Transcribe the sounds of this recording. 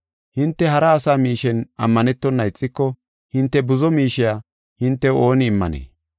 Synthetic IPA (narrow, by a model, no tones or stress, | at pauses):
hɪnt̪ːɛɦɐɾɐːsaːmiːʃɛnɐ̰mːɐnɛt̪ːɔnːɐɪt͡sʼːɪkːɔ | hɪnt̪ːɛbʊzɔmiːʃɪjaː | hɪnt̪ːɛo̞ːnɪːmːɐ̰nḛː